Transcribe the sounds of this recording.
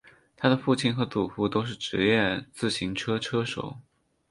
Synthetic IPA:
t̪ʰa˥d̪ə˨fu˥˩t͡ɕʰi˥˩nxɤ˧˥t͡su˨˩fu˥˧t̪o˥ʊʂ̬ɻ̩˥˩ʈ͡ʂɻ̩˧˥jɛ˥˧nt͡sɹ̩˥˩ɕi˧˥ŋʈ͡ʂʰɤ˥ʈ͡ʂʰɤ˥ʂo̰˨˩˦ʊ

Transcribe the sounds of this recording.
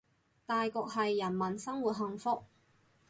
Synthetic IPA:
t̪aː˨jkɔː˧k̚hɐ˨jːɐ˨˩nmɐ˨˩nsɐ˥ŋwuː˨t̚ɦɐ˧ŋfʊ˥k̚

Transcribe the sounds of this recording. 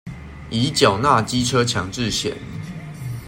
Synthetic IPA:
i˨˦t͡ɕja˨˩ʊna˥˨t͡ɕi˦ʈ͡ʂʰə˦t͡ɕʰjɑ˨˥ŋʈ͡ʂɻ̩˥˨ɕjɛ̰˨˩˦n

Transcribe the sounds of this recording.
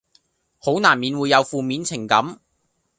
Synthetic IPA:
ho˨˥wnaː˨˩nmiː˨˧nwuː˨˧jːɐ˨˧wfuː˨˧miː˨˧nt͡sʰɪ˨˩ŋkɐ˨˥m

